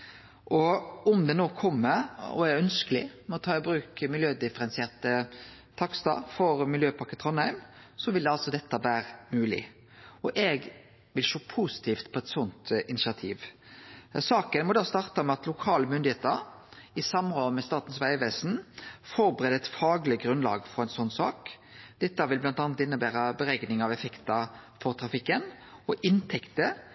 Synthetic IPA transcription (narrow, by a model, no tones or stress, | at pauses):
ʔɔʊmd̪ɛnoːkʰɔmːəɾɔ̰ɛœnskəlɪ̰mɛɔt̪ʰɑːɪbɾʉːkmɪljøːd̪ɪfəɾɛnsɪeːʁt̪ə | t̪ʰɑkst̪ɑ̰fɔɾmɪljøːpʰɑʁkːət̪ʰʁɔnhæɪmsɔʋɪld̪ɛɑlsɔd̪ɛt̪ːəʋæːɾəmʉːlɪ̰ | ɔʔɛɡ | ʋɪlʃoːpʰusɪ̥t̪ʰiːft̪pʰɔɛt̪sɔnt̪ɪnɪʃɑt̪ʰiːʋ | sɑːkənmɔd̪ɑːst̪ɑʁt̪ɑmɛɑt̪lʊkʰɑːləmʏnd̪ɪheːt̪əɾɪsɑmʁɔmɛst̪ɑːt̪n̩sʋæɪʋeːsn̩fɔɾbʁeːd̪ɛɪt̪fɑːɡlɪɡʁʉnlɑ̰ːɡfɔʁɛɪnsɔnːsɑːk | d̪̥ɛt̪ːəʋɪlblɑnt̪ɑːnət̪ɪnːəbæːɾəbəɾɛɡnɪŋɑʋɛfɛkt̪ɑfɔʁt̪ʰɾɑfɪkːən | ɔʔɪnt̪ʰɛkt̪ə